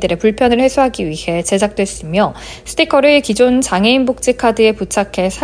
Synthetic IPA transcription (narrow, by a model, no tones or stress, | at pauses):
dɯɾe̞puɭpʰjʌnɯɭhe̞sʰoɦaɡiɥihe̞t͡ɕe̞d͡ʑʰak̚t͈we̞s͈ɯmjʌ | sʰɯ̥tʰikʰʌɾɯɭkid͡ʑont͡ɕaŋe̞inbok̚t͡ɕ͈ikʰadɯe̞put͡ɕʰakʰe̞sʰa